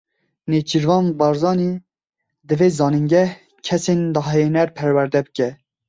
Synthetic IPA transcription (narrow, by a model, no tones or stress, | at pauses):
neːd͡ʒiɾvɑːnbɑɾzɑːni | d̪ɨveːzɑːnɨŋɡɛh | kʰɛsend̪ɑɦɛjenɛɾpʰɛɾwæɾd̪ɛbɨkʲɛ